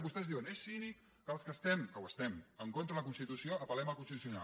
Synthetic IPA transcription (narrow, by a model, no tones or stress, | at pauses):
bust̪ɛzðiwənesini | kəlˠskəst̪ɛmkəwəst̪ɛməŋkont̪ɾələkunst̪it̪usioəpəlɛməlˠkunstit̪usjuna̰